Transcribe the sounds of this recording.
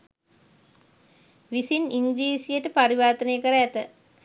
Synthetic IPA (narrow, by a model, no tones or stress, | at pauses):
ʋisiniŋɡɾiːsijəʈəpaɾiʋaːt̪ənejəkəɾəæt̪ə